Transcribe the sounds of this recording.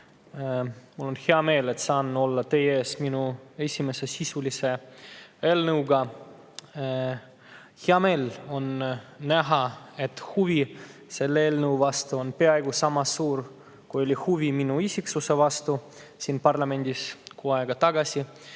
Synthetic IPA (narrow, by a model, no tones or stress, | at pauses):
mulːo̞nxeɑme̞ːle̞t̪sɑːnːo̞lːɑt̪e̞jee̞ːsminue̞sʲime̞se̞sisulise̞ | elnɤwɡɑ | heɑme̞ːlo̞nnæɦɑe̞t̪huvise̞lːeeːlnəwvɑst̪uo̞npe̞ɑe̞ɡusɑmɑsuːr | kujo̞lʲihuviminuisʲiksuse̞vɑst̪u | siːnpɑrlɑme̞nʲd̪̥ʲiskuːɑeɡ̥ɑt̪ɑɡ̥ɑsʲi